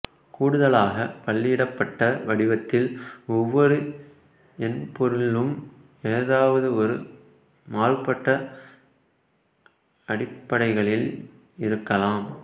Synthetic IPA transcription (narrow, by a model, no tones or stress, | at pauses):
kuːɽɯðɐlaːɣɐpɐɭːɪɪɽɐpːɐʈːɐʋɐɽɪʋɐt̪ːɪlɔʋːɔɾɯ | ɛnpɔɾɯlɯm | eːɐðaːʋɐðɯɔɾɯ | maːrpːɐʈːɐ | ɐɽɪpːɐɽɐɪɣɐɭɪl | ɪɾɯkːɐlaːm